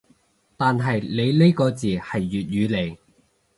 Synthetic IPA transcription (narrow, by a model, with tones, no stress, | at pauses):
t̪aː˨nɦɐ˨jle˨˧jle˥jkɔː˧t͡siː˨hɐ˨jːyː˨t̚jyː˨˧le˨˧j